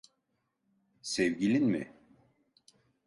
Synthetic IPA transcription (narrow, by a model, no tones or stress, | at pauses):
sevɟilʲinmɪ̰